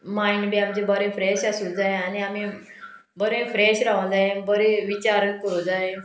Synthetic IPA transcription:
mainɽiamt͡ɕebəɾẽfɾɛɕasuld͡zaẽaniami | bəɾẽfɾɛɕɾaʋə̃d͡zaẽbəɾẽʋit͡ɕaɾəkəɾud͡zaẽ

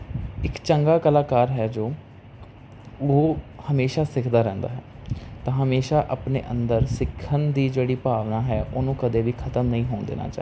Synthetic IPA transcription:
ɪkt͡ʃəŋɡaːkəlaːkaːɾɦɛːd͡ʒoː | oːhəmeːʃaːsɪkʰd̪aːɾɛ̃ːnd̪a̰ːɦɛː | t̪ãːɦəmeːʃaːʔəpnḛːʔənd̪əɾsɪkʰːənd̪iːd͡ʒeːɽiːpaːʋnaːɦɛːʔoːnũːkəd̪eːʋiːkʰət̪əmnəɦĩːɦoːnd̪ḛːna̰ːt͡ʃaː

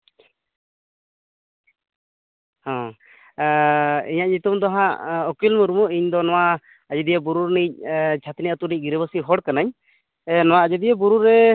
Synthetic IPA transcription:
hɔ̃ | iɲaʔɲut̪umd̪ɔɦaɔkilmuɾumɔʔiɲd̪ɔnɔwaː | d͡ʒɛd̪ijɛbuɾuɾnic̚ˀt͡ʃʰat̪niat̪unic̚ˀɡiɾɛbəsiɦɔɽkanaɲ | nɔwaːd͡ʒɛd̪ijɛbuɾuɾːɛ

